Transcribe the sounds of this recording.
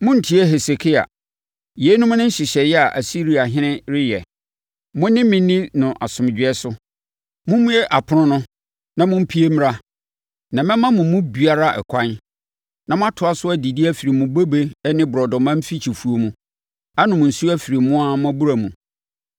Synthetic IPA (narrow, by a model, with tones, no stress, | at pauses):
mʊ̃˦n̩˨tʰi˦ɛ˦ɦɛ˨se˨kʰi˦a̰˨ | je˨˦nʊ̃˦m˦nʊ̃˦n̩˦ɕɪ˨ɕɛ˨jɛ˦a˨ʔa˨si˦ɾi˨˦a˨ɦɪ̃˦nɪ̃˦ɾɪ˦jɛ˨ | mʊ̃˦nɪ̃˦mɪ̃˨nĩ˦nʊ̃˨ʔa˨sʊ̃˨m˨d͡ʑᶣɪ˨ɛ˦sʊ˦ | mʊ̃˦mʊ̃˦jɛ˦ʔa˨pʰʊ˨˦ʊ̃˦nʊ̃˦ | nã˨mʊ̃˦m̩˦pʰi˦e˦m̃˦ɾa˦ | nã˨mɛ̃˦mã˦mʊ̃˨mʊ̃˦bi˨a˦ɾa˦ʔɛ̰˨kʷʰã˦n | nã˨mʊ̃˦a˦tʰʊ˨a˦sʊ˦æ˦di˨di˦æ˦fi˨ɾi˨mũ˨be˦be˦nɪ̃˦bʊ˨ɾɔ˨dɔ̃˨mã˦m̩˦fi˦t͡ɕʰi˨fu˨o˨mũ˦ | a˦nʊ̃˨mʊ̃˨n̩˨su˦a˦fi˨ɾi˨mũ˦a˦mʊ̃˦æ˦bu˦ɾa˨mũ˨